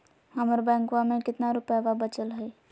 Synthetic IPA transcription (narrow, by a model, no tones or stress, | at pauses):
həməɾbɛ̃ːŋkʋãmẽkɪt̪naɾʊpaʋabət͡ʃəlɦəe